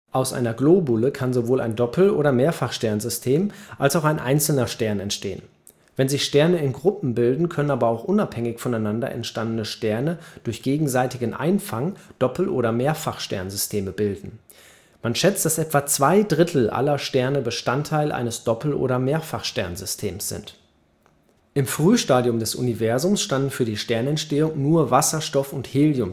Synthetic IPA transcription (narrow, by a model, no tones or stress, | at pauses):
ʔaʊsʔa̰ɪnɐɡloːbʊləkʰanzovoːla̰ɪndɔpʰl̩ʔoːɾɐmeːɐfaχʃtɛɐnzʏstʰeːmʔalsaʊxaɪnʔa̰ɪnt͡sl̩nɐʃtɛɐnɛntʃteːən | vɛnzɪçʃtɛɐnəɪnɡʁʊpm̩bɪldn̩kʰœnənaːbɐaʊxʔʊnaphɛŋɪçfɔnaɪnandɐ̰ʔɛ̰ntʃtandənəʃtɛɐnəd̥ʊɐçɡ̥eːɡŋ̩zaɪtɪɡənʔa̰ɪnfaŋd̥ɔpl̩ʔo̰ːɾɐmeːɐfaχʃtɛ̰ɐnzʏstʰeːməbɪldn̩ | manʃɛt͡st̚d̥asʔɛtv̥aːt͡sv̥aɪdʁɪtʰl̩ʔa̰lɐʃtɛɐnəbəʃtantʰaɪlʔa̰ɪnəsd̥ɔpl̩ʔo̰ːɾɐmeːɐfaχʃtɛ̰ɐnzʏstʰeːmsz̥ɪ̰nt | ʔɪmfʁ̥yːʃtaːdjʊmdɛsʔʊ̰nivɛɐzʊmsʃtandn̩fyːɐdiːʃtɛɐnɛntʃteːʊŋnuːɐvasɐʃtɔfʊntheːljʊm